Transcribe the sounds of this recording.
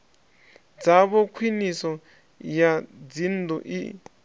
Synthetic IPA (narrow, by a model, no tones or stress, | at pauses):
d͡zaβɔkʰwinisɔ | jad͡zinduʔḭ